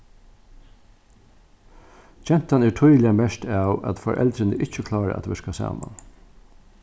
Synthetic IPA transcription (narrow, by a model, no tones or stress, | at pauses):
t͡ʃɛn̥t̪anɛːʈʰɔjlɪamɛʃt̪ɑːwæ̰t̪fɔɾʔɛ̰lt̪ɾɪnəʔɪt͡ʃːəkʰlɑːɾə̰ʔæ̰t̪ʋɛʂkasɑ̰ːma̰n